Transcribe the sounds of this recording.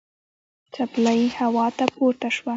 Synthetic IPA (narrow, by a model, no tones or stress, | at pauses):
t͡ʃaplajihawɑt̪apoɾʈ̪aʃwa